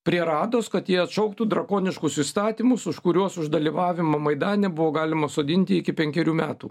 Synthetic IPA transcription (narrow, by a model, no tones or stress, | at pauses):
pʲɾʲiɛɾɑːd̪oːskɐt̪jiɛɐt̪ʃɐʊkt̪uːd̪ɾɐkoːnʲɪʃkʊsist̪ɑːt̪ʲiːmʊsʊʃkʊɾʲuɔsʊʒd̪ɐlʲiːʋɑːʋʲɪmɐmɐɪd̪ɑːnʲɛbʊʋoːɡɑːlʲɪmɐsoːd̪ʲɪnʲt̪ʲɪɪkʲɪpʲɛŋʲkʲɛɾʲuːmʲæːt̪ṵː